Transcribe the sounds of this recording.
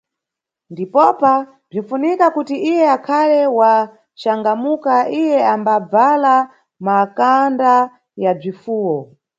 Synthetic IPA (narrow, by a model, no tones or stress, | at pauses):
ndipɔpa | b͡ʐinfunikakutiʔijɛakʰalɛwa | t͡ʃaŋɡamukaʔijɛambab͡vala | makanda | jab͡ʐifuːwɔ